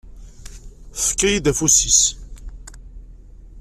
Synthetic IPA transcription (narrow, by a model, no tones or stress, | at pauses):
θkːæjid̪æfusis